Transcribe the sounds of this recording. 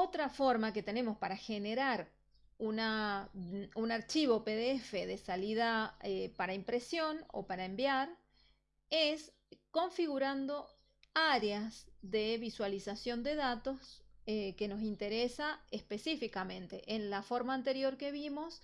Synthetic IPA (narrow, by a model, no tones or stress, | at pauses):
ot̪ɾafo̞ɾmake̞t̪e̞ne̞mospaɾaxe̞neɾaɾ | una | unaɾt͡ʃiβo̞peðeefeðesaliðaepaɾaimpɾe̞sjo̞no̞̰paɾaembjaɾ | es | ko̞ɱfiɣuɾand̪o̞ | aɾeazðeβiswalisasjo̞nd̪e̞ðat̪o̞seke̞no̞s̬int̪e̞ɾesaespe̞sifikamẽ̞nt̪e̞ʔenlafo̞ɾmaːnt̪e̞ɾjo̞ɾkeβimo̞s